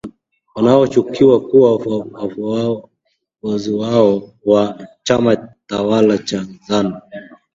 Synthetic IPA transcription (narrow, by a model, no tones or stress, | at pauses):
wanaɔt͡ʃukiwakuwawa | vɔziwaɔwat͡ʃamatawalat͡ʃazana